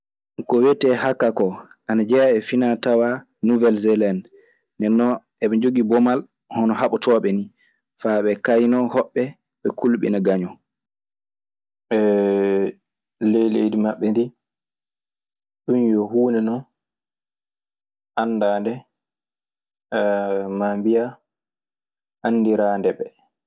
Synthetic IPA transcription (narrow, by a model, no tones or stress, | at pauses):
kɔwetɛhakːakɔ | ʔanad͡ʒɛjaɛfinatawa | nuvɛlzɛlɛnː | ɛnːɔ | ɛɓɛd͡ʒoɡibɔmal | hɔnɔɦaɓɔtʰɔɓɛni | faɓɛkajnɔhɔɓːɛ | ɓɛkʰulɓḭnaɡaɲɔ | ɛ | lejlejdimaɓːɛndi | ɗunjɔhuːnɛnɔ | ʔanːdaːndɛ | mambija | ʔanːdiɾaːndɛɓɛ